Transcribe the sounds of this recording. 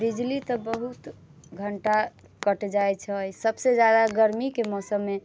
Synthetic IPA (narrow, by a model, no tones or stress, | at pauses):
d̪id͡ʒlit̪əbəɦut̪ɡʱəɳʈa | kəʈd͡ʒaet͡ʃʰəsəbsed͡ʒjad̪aɡəɾmikemɔsəmːe